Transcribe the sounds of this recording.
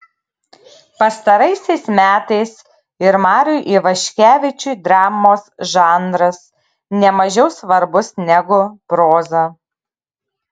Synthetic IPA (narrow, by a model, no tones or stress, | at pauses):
pɐst̪ɐɾɐɪsʲɛɪsmʲæːt̪ɐɪs | ɪɾmɑːɾʲʊjʔiːʋɐʃʲkʲæːʋʲɪt͡ʃʲuːd̪ɾɑːmoːsʒɑːnd̪ɾɐs | nʲɛmɐʒʲɛʊsʋɐɾbʊsnʲɛɡʊpɾoːzɐ